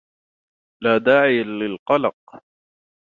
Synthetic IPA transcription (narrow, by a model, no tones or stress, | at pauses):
laːd̪aːʕɪjalɪlqɑlɑq̚